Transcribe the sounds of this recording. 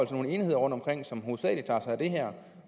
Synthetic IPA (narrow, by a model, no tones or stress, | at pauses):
ɒl̰t͡sʰeo̝ːnəe̝ːnihe̝ð̞̰ˠɐʁɔ̽nd̥ɒmkʰʁeŋ̰sɒ̽mɦo̝ːðˠsɛ̰ːli̥t͡sʰɑ̰̈ːsɑɪæd̥e̝ɦæɐ̰